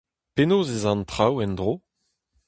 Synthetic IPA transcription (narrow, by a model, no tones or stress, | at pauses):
penoːzezɑ̃nt̪χawɛnd̪ʁoː